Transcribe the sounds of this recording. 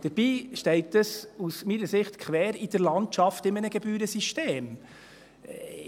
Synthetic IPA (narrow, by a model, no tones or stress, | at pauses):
d̥əɾb̥iːʃtɛɪt̪əsusmiːnəsɪχtkʰʋɛːɾid̥əɾlɑntt͡ʃɑftɪmənəɡ̥ɛbyːɾəsiʃteːm